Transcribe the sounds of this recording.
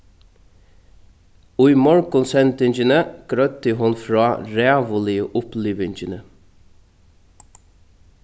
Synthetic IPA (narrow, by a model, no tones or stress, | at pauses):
ʊʏmɔɹkʊnsɛnt̪ɪɲd͡ʒənəɡ̥ɾœt̪əɦʊnfɹɑːɹæːʋəlɪəʔʊpliːʋɪɲt͡ʃənə